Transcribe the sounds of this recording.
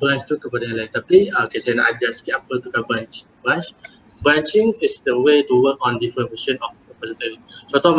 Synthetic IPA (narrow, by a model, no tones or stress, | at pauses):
bɾãnt͡ʃt̪ukəpadajãlait̪apikesajəna̰ʔad͡ʒaskitapəlt̪ukabãnt͡ʃ | bãnt͡ʃ | bɾãnt͡ʃĩŋisdəwetuwək̚ɔ̃ndifɾə̃nwiʃə̃nɔfipɔsit̪əɾisot̪ɔ